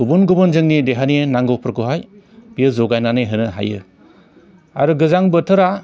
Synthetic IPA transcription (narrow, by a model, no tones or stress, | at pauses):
ubunɡubɯnzɯŋnideɦaninaŋɡopʰɾkuɦaj | bijɯzɔɡajnanɯjɦɯnɯɦa̰jɯ̰ | a̰ɾɯɡɯzaŋbɯtʰɯɾa